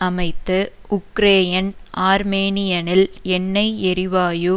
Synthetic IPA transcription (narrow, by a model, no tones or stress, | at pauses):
ɐmɐɪt̪ːɯ | ʊkɾeːjɐnaːɾmeːnɪjɐnɪlɛnːɐɪɛɾɪʋaːjɯ